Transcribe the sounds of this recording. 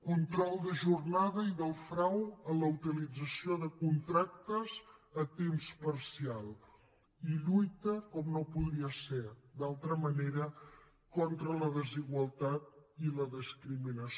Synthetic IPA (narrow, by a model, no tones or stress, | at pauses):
kunt̪ɾɔlˠd̪əʒurnaðəiðəlˠfɾawələut̪ilid͡zəsioðəkunt̪ɾak̚t̪əzət̪emspəɾsialˠ | iʎujt̪əkɔmnopuðɾiəsed̪alˠt̪ɾəməneɾə | kɔnt̪ɾələðəziɣwəlˠt̪at̪̚iləðəskɾiminəs